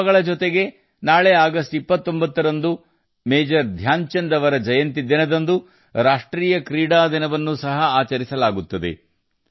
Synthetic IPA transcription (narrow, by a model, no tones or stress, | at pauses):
ɡɐɭɐd͡ʒɔt̪eɡe̞ | naːɭeaːɡɐsʈipːɐt̪ːo̞mbɐt̪ːɐɾɐnd̪u | meːd͡ʒɐɾd̪ʱjaːɲt͡ʃɐnd̪ɐʋɐɾɐd͡ʒɐjɐnt̪id̪ːinɐd̪ɐnd̪u | ɾaːʂʈɾiːjɐkɾiːɽaːd̪inɐʋɐnːusɐɦɐaːt͡ʃɐɾisɐlaːɡut̪ːɐd̪e̞̰